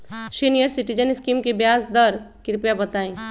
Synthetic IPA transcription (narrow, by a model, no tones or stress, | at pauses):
ʃinijəɾsɪʈid͡ʒənɪskiːmkebjaːsd̪əɾkɪɾpjabɐt̪aːẽː